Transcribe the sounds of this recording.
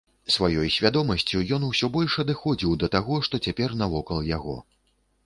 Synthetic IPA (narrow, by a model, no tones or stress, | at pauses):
svajɔjsʲvʲad̪ɔmɐsʲt͡sʲujɔnuwsʲɔbɔlʲʂɐd̪ɨxɔd͡zʲiwd̪ɐt̪aɣɔʂt̪ɔt͡sʲapʲɛrnɐvɔkɐlˠjaɣɔ̰